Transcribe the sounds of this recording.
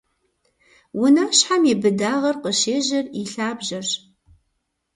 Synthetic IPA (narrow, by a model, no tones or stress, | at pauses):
wʊnaːɕħamibɨdaːʁɐrqəʃeːʑɐriɬaːbʒɐr